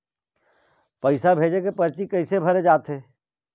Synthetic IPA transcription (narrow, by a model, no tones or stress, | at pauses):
pɐɪsabʱeːd͡ʒekepɐɾt͡ʃikɐɪsebʱɐɾed͡ʒaːt̪ɦeː